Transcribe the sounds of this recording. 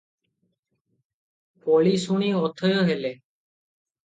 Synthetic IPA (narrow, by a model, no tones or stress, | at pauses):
poːliːsuɳ̃iːoːt̪ʰəjoːɦeːleː